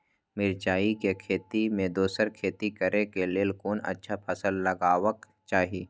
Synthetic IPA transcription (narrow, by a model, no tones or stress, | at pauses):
mɪɾt͡ʃaːikekʰeːt̪imẽd̪oːsəɾkʰeːt̪ikəɾʔekeleːlkoːnɐ̰tːʃʰapʰɐsəlːɐɡaːwək | t͡ʃaːɦiː